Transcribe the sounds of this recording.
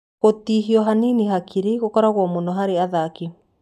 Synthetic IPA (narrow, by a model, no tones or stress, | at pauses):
ɣotiɦiɔɦaniniɦakʰiɾeɣokɔɾaɣwɔmonɔɦaɾeaðaki